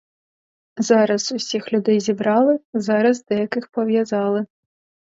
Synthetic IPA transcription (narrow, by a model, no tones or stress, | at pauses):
zaɾɐsusʲixlʲud̪ɛjzʲibɾɑlˠɨzaɾɐzd̪ɐjakɨxpɐwʲjazɑlˠɨ